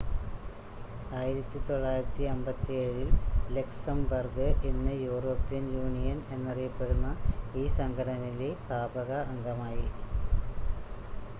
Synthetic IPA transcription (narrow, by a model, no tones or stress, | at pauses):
aːjiɾɐt̪ːit̪o̞ɭːaːjiɾɐt̪ːiɐmbɐt̪ːieːɻilleksɐmbɐrɡɨʔenːɨjuːro̞ːpːijɐnjuːnijɐne̞nːɐrijɐpːe̞ɽunːɐiːsɐŋɡʱɐɽɐnilesaːbʱɐɣɐːŋɡɐmaːji